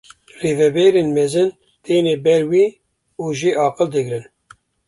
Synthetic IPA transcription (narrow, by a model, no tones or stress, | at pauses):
reːvɛbɛːɾenmɛzɨn | t̪eːneːbɛɾwiː | uːʒiʔɑːqɨld̪ɨɡɾɨn